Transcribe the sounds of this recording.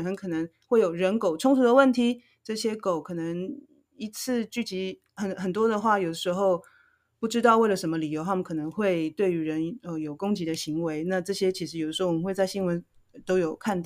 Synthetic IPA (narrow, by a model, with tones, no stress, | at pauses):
xə˧˥nkʰɤ˨˩nə˧˦˥ŋxwe˥˩ɪjo˨˩ʊɻə˧˥nko˨˩ʊʈ͡ʂʰʊ˥ŋt̪ʰu˧d̪ə˧wə˥˩nt̪ʰi˧˥ | ʈ͡ʂɤ˥˩ɕjɛ˥ko˨˦ʊkʰɤ˨˩nə˧˥ŋ | i˧˥t͡sʰɹ̩˥˧t͡ɕy˥˩t͡ɕi˧˥ | xə˨˩nxə˨˩nt̪̬wɔ˥d̪ə˨xwa˥˩jo˨˩d̪ə˦˥ʂɻ̩˧˥xo˥˧ʊ | pu˥˩ʈ͡ʂɻ̩˥t̪ɑ˥˧ʊwe˥˩lə˩ʂə˧˥mə˧li˨˩jo˧˥ʊxa˥˩mə˧nkʰɤ˨˩nɤ˧˦˥ŋxwe˥˧ɪt̪we˥˩ɪy˧˥ɻə˧˦˥nə˧jo˨˩ʊkʊ˥ŋt͡ɕi˧˥d̪ə˧ɕi˧˥ŋwe˧˥ɪna˥˧ʈ͡ʂɤ˥˩ɕjɛ˥t͡ɕʰi˧˥ʂ̬ɻ̩˧˥jd̪ə˩ʂ̩ɻ̩˧˥˧wə˧˦xwe˥˧ɪt͡sa˥˩ɪɕi˥nwə˧˦n | t̪o˥ʊjo˨˩ʊkʰa˥˧nt̪ɑ˥˨